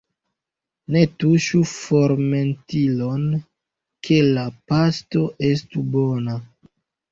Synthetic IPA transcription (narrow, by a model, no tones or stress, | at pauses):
ne̞tuʃufoɾme̞ntilon | kʰe̞lapasto̞ʔe̞stubona